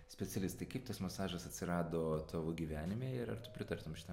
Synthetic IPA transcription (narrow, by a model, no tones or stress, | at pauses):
sʲpʲɛt͡s̪ʲɛlʲɪst̪ɐɪkɐɪpt̪ɐsmɐsɑːʒɐsɐtʲsʲɪɾɑːd̪oːt̪ʰoːʋoːɡʲiːʋʲæːnʲɪmʲeːɪɾɐ̰rt̪ʊpʲɾʲɪt̪ɐɾt̪omʃʲɪ̥t̪ɐ